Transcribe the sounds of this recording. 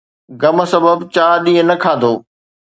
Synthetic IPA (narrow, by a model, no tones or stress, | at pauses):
ɡɐmsɐbəbt͡ɕaːɗĩːɦə̃nɐkʰaːd̪oː